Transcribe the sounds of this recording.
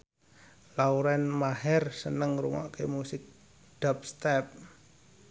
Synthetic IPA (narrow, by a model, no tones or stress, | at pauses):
lauɾɛnmaɦɛrsənəŋɾuŋɔ̰ʔkemusɪk̚ | d̥ap̚st̪ɛp̚